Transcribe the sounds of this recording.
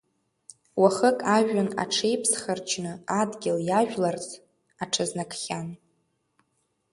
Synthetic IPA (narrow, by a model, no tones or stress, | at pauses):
waχəkʼaʒᶣana̰ʈ͡ʂʰe̞jpʰsχərt͡ʃʰnɨadɡʲɪljaʒᶣlart͡s | aʈ͡ʂʰaznakʰχʲan